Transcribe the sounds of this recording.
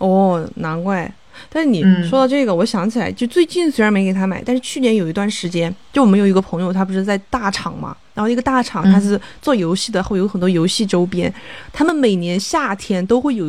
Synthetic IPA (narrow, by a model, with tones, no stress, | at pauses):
ɔ˥˩na˧˥nkwa˥˩ɪ | t̪a˥˧nʂɻ̩˥˩ni˨˩ʂwɔ˥t̪ʊʈ͡ʂɤ˥˩ɡə˩wɔ˧˥ɕjɑ˧˥ŋt͡ɕʰi˨˩la˧˥ɪt͡ɕt͡swe˥˧ɪt͡ɕi˥˩nswɻme˧˥ɪke˨˩t̪ʰa˥ma˨˩ɪt̪nʂɻ̩˥˧t͡ɕʰy˥˩njɛ˧˥njo˨˩ʊi˧˥t̪wa˥˩nʂɻ̩˧˥t͡ɕjɛ˥nt͡ɕjwm˧˥jo˧˩ʊi˧˥ɡə˧pʰɤ˧˥ŋjo˧ʊt̪ʰa˥pu˧˩ʈ͡ʂɻ̩˥ɑ˥˩t͡sa˥˧ɪt̪a˥˩ʈ͡ʂʰɑ˨˩˦ŋmɐ̰˦a˧˥xn˥˩ɡə˧t̪a˥˩ʈ͡ʂʰɑ˨˩ŋt̪ʰa˥ʂ̬ɻ̩˥˧t͡swɔ˥˩jo˧˥ʊɕi˥˩d̪ə˩xo˥˩jo˧˥xə˨˩nt̪wɔ˥jo˧˥ʊɕi˥˩ʈ͡ʂo˥ʊpjɛ˥nt̪ʰa˥mə˨nme˨˩ɪnjɛ˧˥nɕja˥˩t̪ʰjɛ˥nt̪o˥ʊxwe˥˩ɪjo˨˩